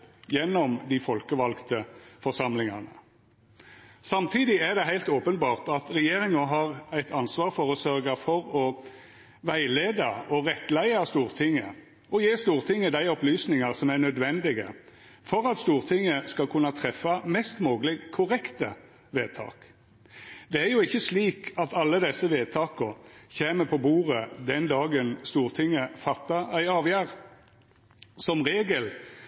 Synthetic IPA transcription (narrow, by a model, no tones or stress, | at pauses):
jɛnːɔmd̪ɪfɔlkəʋɑlkt̪əfɔʁsɑmlɪŋɑʁnə̰ | sɑmt̪ʰiːd̪ɪæʁd̪ɛɦæɪlt̪oːpənbɑːʁt̪ɑt̪ʁɛjeːʁɪŋəɦɑːʁæɪt̪ʰɑnsʋɑːʁfɔʁɔsœɾɡəfɔɾɔ | ʋæɪleːd̪ɑɔʁɛt̪ːlæɪɑst̪uːʁt̪ʰɪŋːə | ɔjeːst̪uːʁt̪ʰɪŋːəd̪æɪɔplyːsnɪŋɑʁsɔmæʁnœd̪ʋɛnd̪ɪɡə̰ | fɔɾɑt̪st̪uːʁt̪ʰɪŋːəskɑkʰʉnːɑt̪ʰʁɛfːɑmɛst̪moːɡlɪɡkʰʊʁɛkt̪ə | ʋeːt̪ʰɑ̰ːk | d̪̥ɛæɾjʊɪçːəsliːkɑt̪ʰɑlːəd̪ɛsːəʋeːd̪̚t̪ʰɑːkɔçeːməpʰɔbuːʁəd̪ɛnd̪ɑːɡənst̪uːʁt̪ʰɪŋːəfɑt̪ːɑæɪɑːʋjæːʁ | sɔmʁeːɡəl